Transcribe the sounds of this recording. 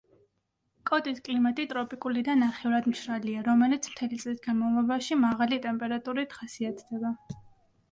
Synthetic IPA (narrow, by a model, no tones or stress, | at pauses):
kʼɔt̪ʼiskʼlimat̪ʼit̪ʼɾɔpʼikʼulid̪anːaχɛuɾad̪mʃɾaliaɾɔmɛlit̪sʰm̥t̪ʰɛlit̪sʼlisɡanmɔlˠɔbaʃimaʁalit̪ʼɛmpʼɛɾat̪ʼuɾit̪χasiat̪ʰd̪̥ɛba